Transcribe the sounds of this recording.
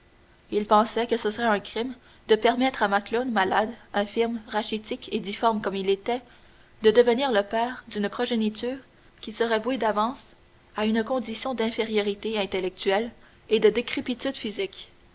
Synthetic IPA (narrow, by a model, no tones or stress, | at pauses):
ilpɑ̃sɛkəsəsəʁɛɛ̃kχim | d̪əpɛʁmɛt̪χamaklonmalad̪ɛ̃fɪʁmʁaʃit̪ikʰed̪ifɔʁmkɔmilet̪ɛ | d̪əd̪əvəniːʁləpɛːʁd̪ynpχɔʒenit̪yːʁ | kʲisəʁɛvwed̪avɑ̃s | aynkɔ̃d̪isjɔ̃d̪ɛ̃feʁjɔʁit̪eɛ̃t̪elɛk̚t̪ɥɛl | ed̪əd̪ekχepit̪yd̪fizik